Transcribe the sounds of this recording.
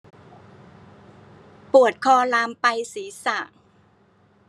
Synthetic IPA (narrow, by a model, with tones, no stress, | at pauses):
pu˨˩ət̪̚kʰɔː˧laː˧mpa˧jsiː˩˦sa˨˩